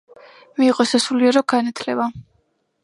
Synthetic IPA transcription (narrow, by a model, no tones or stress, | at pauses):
miːqʼɔsasuliɛɾɔɡanat̪ʰlɛba